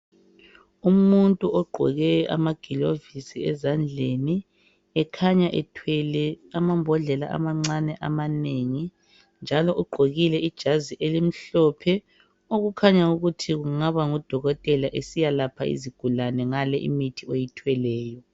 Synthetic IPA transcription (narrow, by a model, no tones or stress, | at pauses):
umuntʼuɔɡ͡ǃʱɔ̰ɣɛa̰maɡ̥ʱilovisiɛzand͡ɮʱeni | ɛkʰaɲaʔɛ̰tʰwɛlɛamambʱɔɮɛla̰ʔa̰maŋ͡ǀanɛʔamaneŋi | nd͡ʒʱalɔʔuɡ͡ǃʱoɣilɛid̥ʒ̥ʱaziʔelim̩ɬɔpʰɛ | oɣukʰaɲauɣutʰiɣuŋaβaŋɔd̥ʱɔɣɔtʼɛlaʔesijalapʰaḭziɡ̥ʱulanɛŋalɛʔḭmitʰiejitʰwɛlɛːjɔ